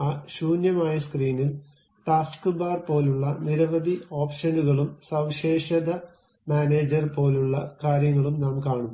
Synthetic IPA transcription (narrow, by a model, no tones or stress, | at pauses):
aːɕuːnjɐmaːjɐskriːnil | t̪aːskɨbaːrpo̞ːluɭːɐniɾɐʋɐd̪ʱio̞ːpʂɐnuɣɐɭumsɐwɕeːɕɐðɐ | maːneːd͡ʑɐrpo̞ːluɭːɐkaːɾjɐŋːɐɭumnaːmkaːɳunːɐ